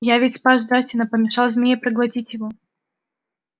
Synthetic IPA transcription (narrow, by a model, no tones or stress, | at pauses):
javʲɪtʲspazd̪atʲɪnəpəmʲɪʂɑlˠzʲmʲnʲepɾəɡlˠɐtʲitʲjɪvo